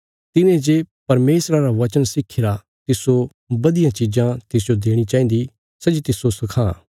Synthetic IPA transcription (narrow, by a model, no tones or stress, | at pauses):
t̪ɪnẽd͡ʒeːpɐɾmeːsɾaɾaʋɐt͡ʃənsɪkʰːɪɾa | t̪ɪso | bɐd̪ɪjãt͡ʃid͡ʒãt̪ɪs̬d͡ʒod̪eːɽ̃it͡ʃaːĩn̆d̪i | sɐd͡ʒit̪ɪsosɐkʰãː